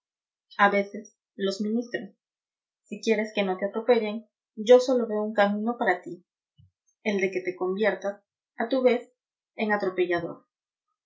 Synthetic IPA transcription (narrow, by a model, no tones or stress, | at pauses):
aβe̞se̞s | lo̞zmĩnist̪ɾosː | ikje̞ɾe̞ske̞no̞t̪eat̪ɾo̞pe̞ʝeŋ | ɟ͡ʝo̞so̞lo̞βe̞ouŋkamĩno̞paɾat̪i | eld̪e̞ke̞t̪e̞ko̞mbje̞ɾt̪as | at̪uβe̞s | e̞ŋat̪ɾo̞pe̞ʝaðo̞̰ɾ